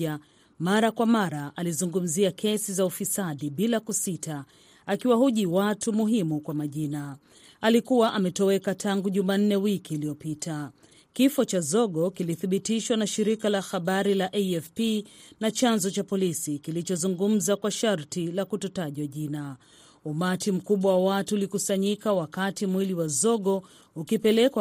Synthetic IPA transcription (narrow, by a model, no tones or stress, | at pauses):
a | maɾakwamaɾaʔalizuŋɡum̩ziakʰɛsizaufisaɗiɓilakusita | akiwahuʄiwatumuɦimukwamaʄina | alikuwaʔamɛtɔɛkatʰaŋɡuʄuman̩nɛwikiːliɔpitʰa | kifɔt͡ʃazɔɠɔkiliθiɓitiʃwanaʃiɾikalahaɓaɾilaʔɛɛfpinat͡ʃanzɔt͡ʃapɔlisikilit͡ʃɔzuŋɡum̩zakwaʃaɾtilakutɔtaʄwaʄina | umatim̩kuɓwawawatuːlikusaɲikawakatimwiliwazɔɠɔ | ukipɛlɛka